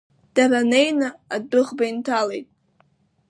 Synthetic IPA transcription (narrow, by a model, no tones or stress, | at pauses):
d̥aɾanejnɨadɨʁbaintʰalejtʼ